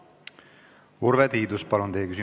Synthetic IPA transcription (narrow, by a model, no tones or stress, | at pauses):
uɾvet̪iːd̪uspɑlund̪ejekysi